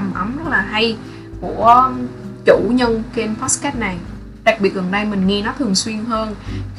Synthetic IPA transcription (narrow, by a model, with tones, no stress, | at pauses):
mʔə˨˦mlə˦˥k̚laː˨˩ɦa˧j | ku˧˩ət͡ɕu˧˩ɲə˧ŋke˧npa˦˥skɛː˦˥t̚na˨˩j | ɗa˨˩k̚ɓi˨˩ət̚ɣə˨˩nɗə˧jmï˨˩ŋ̟ŋi˧nɔ˨˦t̪ʰɨ˨˩əŋswi˧ənɦəː˧n